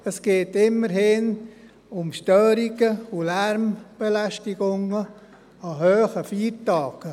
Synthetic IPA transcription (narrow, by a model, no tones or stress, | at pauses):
əsɡ̥eːtɪmːəɾhɪn | ʊmʃtøːɾiɡəulɛɾmb̥ɛlæʃtiɡʊŋə | ɑhøːχəfiːɾtɑːɡ̥ə